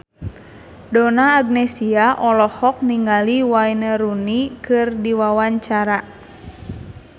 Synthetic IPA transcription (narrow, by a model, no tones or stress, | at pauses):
dɔnaːɡ̚nesiaʔɔlɔhɔk̚niŋɡaliwainəɾunikɨrdiwawaɲt͡ʃaɾa